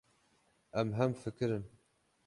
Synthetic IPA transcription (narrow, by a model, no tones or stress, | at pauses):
ʔɛmɦɛmfɨkɨɾɨn